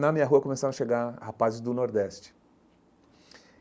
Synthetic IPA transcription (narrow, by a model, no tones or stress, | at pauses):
nɐmĩɲɐɦuɐkomesaɾ̃ɐʃeɡahapazɪzd̪ʊnoɾd̪ɛst͡ʃɪ̥